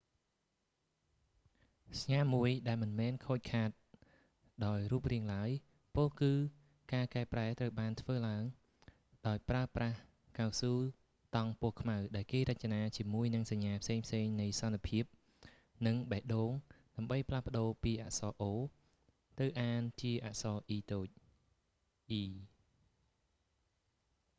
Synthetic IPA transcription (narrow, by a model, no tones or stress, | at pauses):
sɲaːmuəjɗaɛlmɨnmɛːnkʰoːc̚kʰaːt̪̚ | ɗaɔjruːp̚riəŋlaəj | pokɨː | kaːkaɛpraɛt̪rəwɓaːnt̪ʰʋəːlaəŋ | ɗaɔjpraəprah | kawsuː | t̪ɑŋpʊəhkʰmawɗaɛlkeːɾəc̚t͡ɕːanaːt͡ɕiəmuəjnɨŋsaɲːaːpʰseːŋpʰseːŋnɨjsɑnːapʰiəp̚ | nɨŋɓaɛʔɗoːŋɗaəmɓəjpʰlahpə̆ɗoːpiːʔa̰ʔsɑːʔoː | t̪ɨwʔaːnt͡ɕiəʔaʔsɑːʔiːt̪oːc̚ | ʔiː